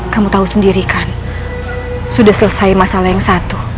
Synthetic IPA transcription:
kamut̪ausəndiɾikan | sudahsələsaimasalajaŋsat̪u

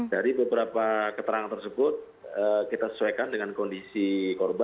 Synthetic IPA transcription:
daɾibəbəɾapakət̪əɾaŋant̪ərsəbʊt̪̚ | əkit̪asə̥suwakandəŋankɔndisikɔrba

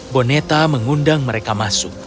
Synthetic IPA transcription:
bonet̪aməŋundaŋməɾekamasʊk̚

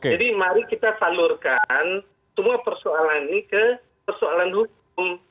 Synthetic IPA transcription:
ked͡ʒadimaɾikit̪afalurkan | səmuapərsoalaninikə | pərsoalanɦuk̚ʊm

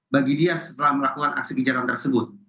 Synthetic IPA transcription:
baɡidiasə̥t̪əlahməlakukana̰ksikid͡ʒat̪ant̪ərsəbʊt̪̚

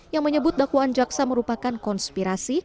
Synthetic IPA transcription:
jaŋməɲəbʊt̪̚dakwaʔːnd͡ʒaksaməɾupakankɔnspiɾasi

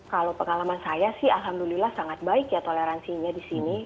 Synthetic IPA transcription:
kalopəŋalamansajasɪhalɦamdulilahsaŋat̪̚baɪkjat̪oleɾansiɲadisini

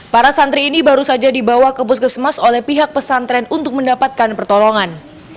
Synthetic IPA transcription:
paɾasant̪ɾiːnibaɾusad͡ʒadibawakəpʊskəsəmasolɛhpiɦak̚pəsant̪ɾɛnunt̪ʊk̚məndapat̪̚kanpərt̪ɔlɔŋan

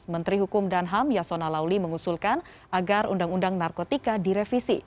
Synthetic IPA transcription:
mənt̪ɾiɦukʊmdanɦamjasonalawliməŋusulkan | ʔaɡarṵndaŋundaŋnarkot̪ikadiɾefisḭ

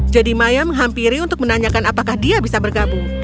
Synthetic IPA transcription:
d͡ʒadimajaməŋɦampiɾiunt̪ʊk̚mənaɲakanapakahdiabisabərɡabuŋ

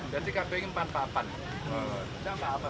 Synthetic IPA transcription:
dat̪ikabɛŋmpanpapan | ə | t͡ʃapapa

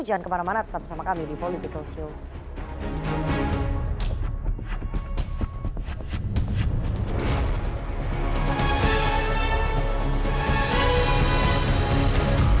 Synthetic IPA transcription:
d͡ʒaankəmanamanat̪ə̥t̪ap̚samakamidipolit̪ikəlsul

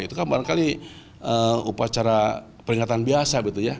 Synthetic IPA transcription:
it̪ukanbaɾaŋkali | ʔəupat͡ʃaɾa | pəɾiŋat̪anbiasaɡit̪uja

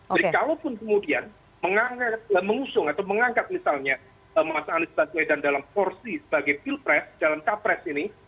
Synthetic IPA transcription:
adkalopʊnkəmudian | məŋaŋkat̪̚əməŋusʊŋat̪awməŋaŋɡat̪̚misalɲa | əmasaːnisbasedandalamkɔrsisə̥baɡajfilpɾɛsd̥alamt͡ʃapɾɛsini

